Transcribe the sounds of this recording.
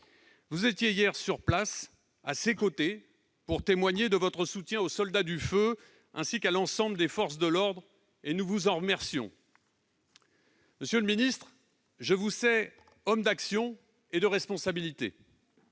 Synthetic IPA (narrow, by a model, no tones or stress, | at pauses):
vuzet̪jejɛʁsyʁplas | asekot̪e | puʁt̪emwaɲed̪əvɔt̪χəsut̪jɛ̃osɔld̪ad̪yfø | ɛ̃sikalɑ̃sɑ̃bləd̪efɔʁs̬d̪əlɔʁd̪ʁ | enuvuzɑ̃ʁəmɛʁsjɔ̰̃ | məsjøləminist̪χ | ʒəvusɛ | ɔmd̪aksjɔ̃ | ed̪əʁɛspɔ̃sabilit̪ḛ